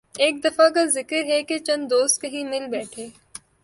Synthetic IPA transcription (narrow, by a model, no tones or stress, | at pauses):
eːk̚d̪ɐfak̬azɪkəɾɦɛket͡ʃɐ̃nd̪d̪oːst̪̚kɐɦĩmɪlbɛːʈʰeː